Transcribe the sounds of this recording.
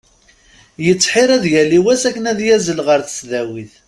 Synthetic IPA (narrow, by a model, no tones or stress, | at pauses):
jət͡sːħiɾˤæðjæliwæsækːənæðjæzəlʁəɾθə̥sðæwiθ